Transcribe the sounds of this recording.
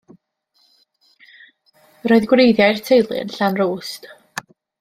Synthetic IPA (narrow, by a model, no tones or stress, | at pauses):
roɨðɡwrejðjajrtʰejlˠɨ̰nɬanruːst